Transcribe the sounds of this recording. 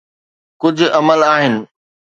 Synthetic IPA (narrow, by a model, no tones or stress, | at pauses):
kʊd͡ʑʱʊ̆ɐməlaːɦɪnɪ̆